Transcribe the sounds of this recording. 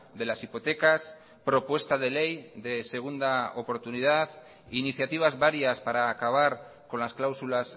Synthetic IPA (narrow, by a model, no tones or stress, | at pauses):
d̪e̞lasipo̞t̪e̞kas | pɾo̞pwe̞st̪aðe̞le̞jðe̞se̞ɣ̞und̪aopo̞ɾt̪unið̞að | iniθjat̪iβ̞azβaɾjaspaɾaːkaβ̞aɾ | ko̞nlasklawsulas